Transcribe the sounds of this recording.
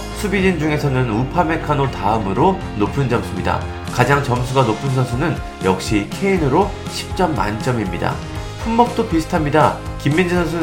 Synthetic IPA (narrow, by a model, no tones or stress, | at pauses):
sʰubid͡ʑind͡ʑuŋe̞sʰʌnɯnupʰame̞kʰanotaɯmɯɾo | nopʰɯnd͡ʑʌmsʰumɲida̰ | kad͡ʑaŋt͡ɕʌmsʰuɡanopʰɯns̬ʰʌnsʰunɯn | jʌk̚ɕ͈ikʰe̞inɯɾo | ɕʰi̥p̚t͡ɕ͈ʌmːa̰nt͡ɕ͈ʌmimɲida̰ | ɸumːʌk̚t͈opisʰɯ̥tʰamɲidakimːind͡ʑɯsʰʌnsʰu